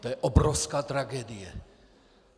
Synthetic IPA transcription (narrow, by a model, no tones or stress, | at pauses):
t̪ojɛʔobɾofskaːt̪ɾaɡɛdɪjɛ